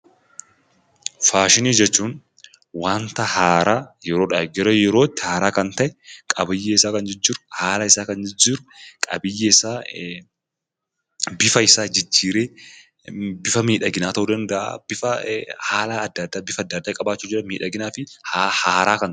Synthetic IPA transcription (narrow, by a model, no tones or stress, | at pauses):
faːʃɪniːd͡ʒɛt͡ʃːuːn | waːnt̪ɐhaːɾaːjɛɾo̞ːᶑaːd͡ʒɛɾoːjɛɾo̞ːt̪ːɪ̥haːɾaːkɐnt̪ɐʔɛkʼɐbɪjːɛɪsaːkɐnd͡ʒɛd͡ʒːɪːɾʊ̥haːlɐɪsaːkɐnd͡ʒɛd͡ʒːɪːɾʊkʼɐ̰bɪjːɛɪsaː | bɪfɐɪsaːd͡ʒɪd͡ʒːiːɾeː | bɪfɐmiːᶑɐɡɪnaːt̪ɐʔʊːd̪ɐnd̪ɐʔa̰ːbɪfɐhaːlɐːd̪ːɐd̪ːabɪfɐd̪ːɐd̪ːaːkʼɐbaːt͡ʃːuːd͡ʒɛɾɐmiːᶑɐɡɪnaːfɪhhaːɾaːkɐnt̪